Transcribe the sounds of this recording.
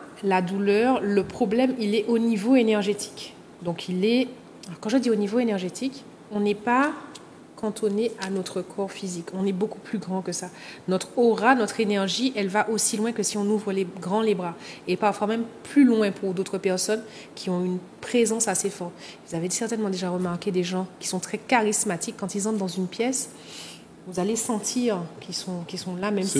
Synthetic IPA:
lad̪ulœːʁləpχɔblɛmilɛʔonivoenɛʁʒet̪ʰi̥k | d̪ɔ̃kʰilɛ | alɔʁkɑ̃ʒəd̪ionivoenɛʁʒet̪ʰik | ɔ̃nɛpa | kɑ̃t̪ʰoneʔanɔt̪χəkʰɔʁfizikɔ̃nɛbokuplyɡʁɑ̃kəsanɔt̪χɔʁanɔt̪χenɛʁʒiʔɛlvaʔosilwɛ̃kəsiɔ̃nuvʁəleɡʁɑ̃lebʁaepaʁfwamɛmplylwɛ̃puʁd̪ot̪χəpɛʁsɔn | kʲʰiɔ̃yn | pχezɑ̃sasefɔʁt̪iuzavesɛʁt̪ɛnmɑ̃d̪eʒaʁəmaʁkʲed̪eʒɑ̃kʲi̥sɔ̃t̪χɛkaʁismat̪ikːɑ̃t̪ilzɑ̃t̪d̪ɑ̃zynpjɛs | vuzalesɑ̃t̪ʰiʁkʲisɔ̃kʲisɔ̃lamɛm

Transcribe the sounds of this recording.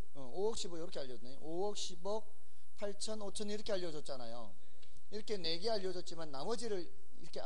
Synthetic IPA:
ʌowʌk̚ɕ͈ibojʌɾʌkʰeaʎːʌd͡ʑneoowʌk̚ɕ͈ʰibʌk̚ | pʰaɭt͡ɕʰʌnot͡ɕʰʌniɾʌkʰe̞aʎːʌd͡ʑʌt̚t͡ɕ͈anajo̰ | iɾʌkʰe̞ne̞ɡeaʎːʌd͡ʑʌt̚t͡ɕ͈imanːamʌd͡ʑiɾɯɭ | ḭɾʌkʰe

